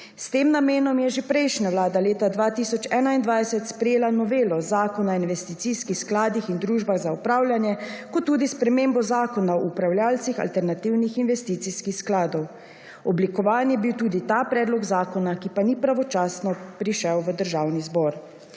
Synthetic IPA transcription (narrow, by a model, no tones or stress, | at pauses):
st̪eːmnameːnɔmjɛʒepɾɛjʃnaʋlaːd̪aleːt̪ad̪ʋaːt̪isɔt͡ʃɛːnaind̪ʋajsɛt̪spɾɛjeːlanɔʋeːlɔzaːkɔnainʋɛst̪it̪siskixsklaːd̪ixind̪ɾuːʒbaɣzaupɾaːwljanjɛkɔt̪ːuːd̪ispɾɛmeːmbɔzaːkɔnaɔupɾawljaːlt̪sixa̰lt̪ɛɾnat̪iwnixinʋɛst̪iːt̪sixskixsklaːd̪ɔw | ɔblikɔʋaːnjɛbiwt̪uːd̪it̪aːpɾɛːd̪lɔɡzaːkɔnakipanipɾaʋɔt͡ʃaːsnɔpɾiʃɛwʋəd̪əɾʒaːwnizbɔːɾ